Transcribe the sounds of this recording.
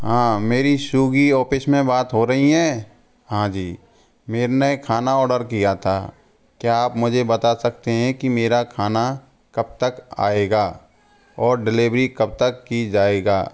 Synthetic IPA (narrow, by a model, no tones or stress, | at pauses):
ɦãːmeːɾiʃuːɡiɔːpɪsmẽbaːt̪ɦoɾɐɦiɦɛː | ɦãd͡ʒiː | meːɾnekʰaːnaɔːɖəɾkijat̪ʰa | kjiaːpmʊd͡ʒʱebɐt̪asɐk̚t̪eɦɛ̃kimeːɾakʰaːna | kɐb̚t̪əka̰ːeːɡaː | ɔːɾɖɪlɪʋɾikɐb̚t̪əkːid͡ʒaːeːɡaː